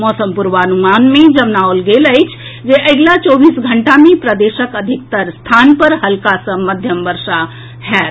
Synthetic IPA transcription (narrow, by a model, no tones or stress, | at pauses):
mɔsəmpuɾʋənumanmẽd͡ʒəmnaolɡeləɪt͡ʃʰ | d͡ʒeʔəɡlat͡ʃɔbiːsɡʱəɳʈamẽpɾəd̪eʃəkəd̪ʱik̚t̪əɾst̪ʰanpəɾɦəlkasə̃məd̪ʱjəmbəɾʃa | hɛt̪